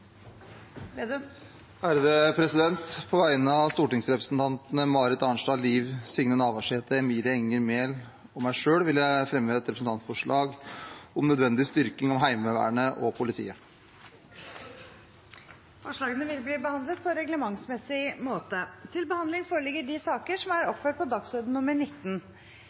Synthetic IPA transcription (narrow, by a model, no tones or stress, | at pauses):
æːɾəd̪əpʰɾɛsɪd̪ɛnt̪pʰɔʋæɪnəɑʋst̪uːʈɪŋsɾɛpɾə̥snt̪ʰɑnt̪ənəmɑːɾɪt̪ɑɳʂɖɑːliːʋsɪŋnənɑːʋɑʂeːt̪əɛmiːlɪəɛŋːəɾmeːl | ɔmːæɪʂøːɽʋɪljæɪfɾɛmʋeːɛt̪ɾɛpsn̩t̪ɑnt̪fɔʂɭɑːɡɔmnœd̪ʋɛnd̪ɪst̪ʏɾkɪŋɔmɦæɪməʋæ̰ːɳəʔɔpʰʊlɪt̪ʰḭːə | fɔʂɭɑːɡənəʋɪlbliːbəhɑnd̪lət̪̚pʰɔɾɛɡləmɑŋsmɛsɪmoːt̪ət̪ʰɪlbəhɑnd̪lɪŋfoːɾəɭɪɡːəɖɪsɑːkəʂɔmæɾɔpføːʈ̚pʰɔd̪ɑksɔɾd̪n̩nʊməɳɪt̪ːn